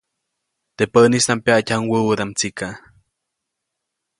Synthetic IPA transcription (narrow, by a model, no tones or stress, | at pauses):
t̪epəʔnist̪ampjacʲhaŋwəwəd̪amt͡sika